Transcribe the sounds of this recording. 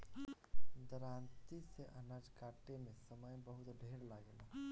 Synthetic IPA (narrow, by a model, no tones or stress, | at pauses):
d̪əɾant̪iseʔənad͡ʒkaʈemesəməjbəɦut̪ɖʱeɾlaɡel